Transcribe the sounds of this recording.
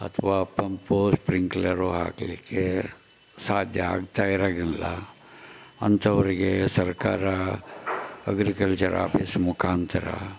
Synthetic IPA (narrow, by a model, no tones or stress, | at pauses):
ɐ̰t̪ʰʋaːpɐmpospɾiŋklɐɾoɦa̰ːklḛke | saːd̪ʱjɐa̰ːɡt̪aiɾaɡinla̰ | ɐnt̪ɐʋɐɾɡesɐɾkaːɾa | ɐɡɾikɐlt͡ʃɐɾʔa̰ːpismʊkʰaːnt̪ʰɐɾa̰